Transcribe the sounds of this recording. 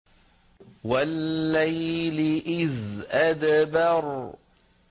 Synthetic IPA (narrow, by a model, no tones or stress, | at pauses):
walːajlɪʔɪðʔad̪bɑɾˤ